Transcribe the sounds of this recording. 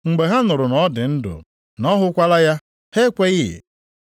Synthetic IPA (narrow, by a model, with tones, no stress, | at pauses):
ŋ͡m̩˨ɡ͡be˨ɦa˦nʊ˨ɾʊ˨nɔ˦dɪ˨n̩˦dʊ̰˨ | nɔ˦ɦʊ˦kʷa˦la˦ja˦ | he˦kʷe˦ɣɪ̰˦˨